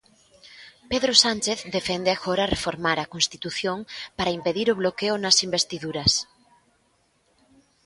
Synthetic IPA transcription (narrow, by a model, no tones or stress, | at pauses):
peðɾosanʲt͡ʃeθðd̪efend̪eaxoɾarefoɾmaɾakonst̪i̥t̪uθjoŋpaɾaimpeðiɾoβ̞lokeonasimbest̪iðuɾɐs